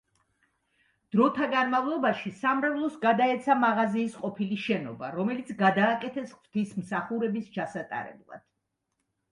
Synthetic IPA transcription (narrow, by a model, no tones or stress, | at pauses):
d̪̥ɾɔt̪ʰaɡanmavlˠɔbaʃisamɾavlˠɔsɡad̪aɛt̪sʰamaʁaziːsqʼɔpʰiliʃɛnɔba̰ɾɔmɛlit̪sʰɡad̪aːkʼɛt̪ʰɛsχvt̪ʰismsaχuɾɛbist͡ʃʰasat̪ʼa̰ɾɛ̰blˠa̰d̪̥